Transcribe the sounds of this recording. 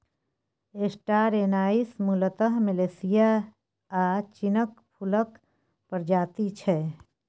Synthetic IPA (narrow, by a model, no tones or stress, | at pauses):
eːsʈaːɾeːnaːismulət̪əɦmɪleːsɪja | aːt͡ʃɪnəkpʰʊlək | pəɾd͡ʒaːt̪it͡ʃʰɛ